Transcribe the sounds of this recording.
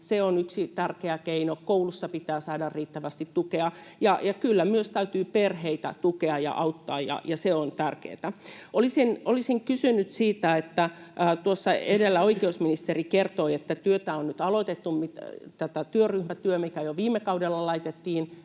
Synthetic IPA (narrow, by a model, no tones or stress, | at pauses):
seonyksit̪ærkeækeinokoulusːɑpit̪æːsɑːdɑrriːt̪ːæʋæst̪it̪tukeɑ | jɑjɑkylːæmyøst̪æyt̪yːperheit̪æ̰t̪ukeɑjɑ̰ʔɑut̪ːɑːjjɑ̰jɑseont̪ærkḛːt̪æʔolisinʔolisiŋkysynyt̪siːt̪æet̪ːæːt̪uosːɑḛdelːæoikeusminist̪erikert̪oiet̪ːæt̪yøt̪æonnyt̪ɑlot̪et̪ːummit̪t̪æt̪æt̪yøryhmæt̪yømikæjoʋiːmːˑekɑudelːɑlɑit̪et̪ːiːn